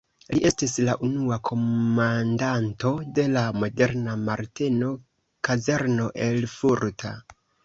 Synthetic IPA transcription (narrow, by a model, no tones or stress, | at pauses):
liʔe̞stislaʔunuakʰo̞mandanto̞de̞lamo̞de̞ɾnamaɾteno̞ | kaze̞ɾno̞ʔe̞lfuɾtʰa̰